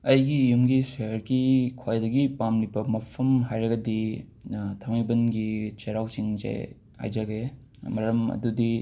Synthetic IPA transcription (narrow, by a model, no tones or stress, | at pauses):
ɐjɡijumɡiseɾɡikʰajdɐɡipamlibɐmɐpʰɐmɦajɾɐɡɐdi | tʰɐmijbɐnɡit͡ʃeɾawt͡ʃiŋza̰j | a̰jd͡ʒɐɡe | mɐɾɐmɐ̰dudi